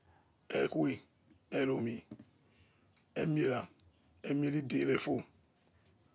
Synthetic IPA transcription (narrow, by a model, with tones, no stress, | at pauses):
ḛ˦kwi˦ | e˦ɾo˨mi˨ | e˦mi˦e˨ɾa˨ | e˦m˦e˦ɾi˦de˨ɾe˦˨fo˦